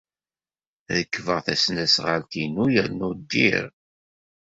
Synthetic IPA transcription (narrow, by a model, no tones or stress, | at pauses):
ðəkːvəʁθæsnæsʁəlt̪inujəɾnud̪ːḭɾ